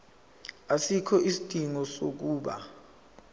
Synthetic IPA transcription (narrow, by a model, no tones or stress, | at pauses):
asikʰɔʔisid̥ʼʱiŋɔsok̬uːɓa̰